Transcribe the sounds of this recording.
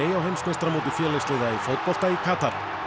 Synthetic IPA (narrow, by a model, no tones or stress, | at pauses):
eːjawhejmsnɛst̪ɾamowt̪ɪ̥fjɛːlɛst̪lɛːjðaifowt̪̚pɔl̥t̪aikʰaːt̪aɾ